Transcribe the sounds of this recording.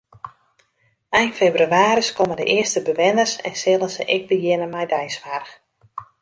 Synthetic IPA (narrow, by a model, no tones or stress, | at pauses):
ɛjnfebryaːɾəskomədə̰ʔɪəstəbəʋɪnərsɛ̰nsɪlˠənzə̰ʔɪɡ̚bəjɪnəmɛjdɛjsʋarx